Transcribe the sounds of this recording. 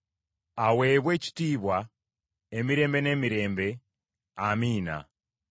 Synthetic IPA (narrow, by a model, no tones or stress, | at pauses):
awe̞ːβwe̞ːci̥tiːβwa | emiɾe̞ːmbe̞ne̞ːmiɾe̞ːmbe̞ | amiːna̰